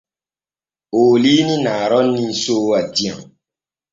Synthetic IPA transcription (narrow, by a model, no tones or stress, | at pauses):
olinĩnaːɾɔnːĩsoːadĩãŋ